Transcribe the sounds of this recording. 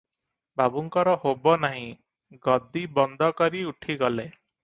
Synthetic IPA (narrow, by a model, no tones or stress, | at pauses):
bʱabuŋkɔɾɔhobɔnaɦĩ | ɡɔd̪ibɔnd̪ʱɔkɔɾiuʈʰiɡɔle